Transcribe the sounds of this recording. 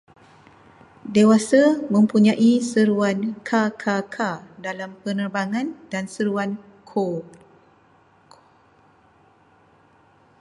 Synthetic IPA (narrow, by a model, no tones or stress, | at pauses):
dewasamə̃mpuɲãʔisəɾuankʰakʰakʰadalampənərbaŋãndansəɾuan | kʰo